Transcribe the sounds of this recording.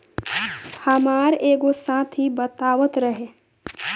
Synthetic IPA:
həmaːɾeːɡosãːt̪ʰibət̪aːʋət̪ɾəɦe

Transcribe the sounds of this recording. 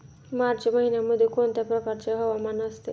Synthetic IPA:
maɾt͡ʃməɦinamod̪ʱikont̪apɾɔkaɾt͡ʃaɦɔwamanast̪ḛ

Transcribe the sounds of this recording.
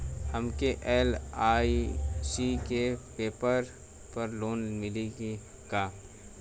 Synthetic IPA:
həmkeʔɛːlaːisikepeːpəɾ | pɐɾloːnmɪleɡ | ɡ̥aː

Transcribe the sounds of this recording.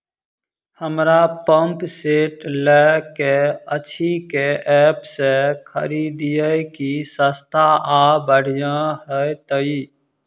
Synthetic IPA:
həmɾapəmpseːʈlɛkeət͡ʃʰikeʔɛːpsekʰə̰ɾiːd̪ijəkisəst̪ʰaʔaːbəɽ̤jãɦɛt̪əiː

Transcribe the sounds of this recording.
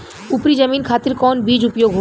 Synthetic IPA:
upɾid͡ʒəmiːnkʰaːt̪iɾkɔnbid͡ʑupjoɡɦo

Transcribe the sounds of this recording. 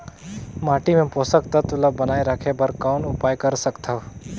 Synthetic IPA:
maːʈimẽpoːsəkt̪ɐt̪ʊləbɐnaːiɾəkʰebɐɾkaːnʊpaːjkɐɾsɐkt̪ɐʋ

